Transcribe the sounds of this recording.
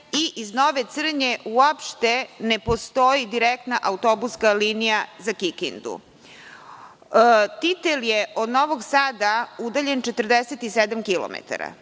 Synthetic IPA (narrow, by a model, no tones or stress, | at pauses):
iʔiznoʋe̞t̪sr̩ɲe̞uapʃt̪e̞nepo̞st̪o̞jid̪iɾekt̪naʔaut̪o̞buskaliːnijazakikḭnd̪ṵ | t̪it̪eljeʔo̞d̪no̞ʋo̞ɡsaːd̪aud̪aʎe̞nt͡ʃet̪r̩d̪eset̪ised̪amkilo̰mḛt̪a̰ɾa̰